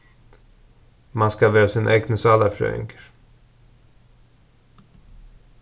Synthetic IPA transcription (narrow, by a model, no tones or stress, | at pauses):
manskavøːsɪnʔɛɡnəsɑlafɾø̰ʏ̰ŋkə̥ɾ